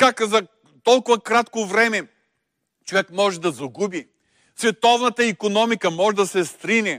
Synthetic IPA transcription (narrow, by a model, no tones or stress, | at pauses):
kakzɐ | t̪ɔlˠkʊvɐkɾat̪kovɾɛmɛ | t͡ʃovɛkmɔʒɛd̪ɐzɐɡubi | svɛt̪ɔvnɐt̪əikonɔmikəmɔʒɛd̪ɐsɛst̪ɾinɛ